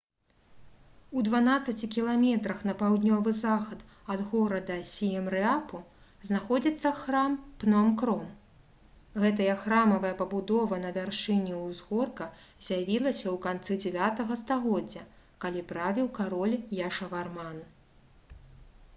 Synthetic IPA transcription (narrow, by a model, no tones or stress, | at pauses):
ud̪vanat̪sːɐt͡sʲikʲilˠamʲɛt̪ɾɐxnɐpawd̪ʲnʲɔvɨzaxɐt̪ | ɐd̪ɣɔɾɐd̪ɐsʲiɛmɾɨapu | znaxɔd͡zʲit̪sːɐxɾampnɔamkɾɔm | ɣɛt̪̬ɐjɐxɾamɐvɐjɐpɐbud̪ɔvɐn̪ɐvʲarʂt͡ʂɨnʲiwzɣɔrkɐzʲjavʲilˠɐsʲɐwkant̪sɨd͡zʲɛvʲat̪ɐɣɐst̪aɣɔd͡zʲːɐ | kalʲipɾavʲiwkaɾɔlʲjaʂɐvarman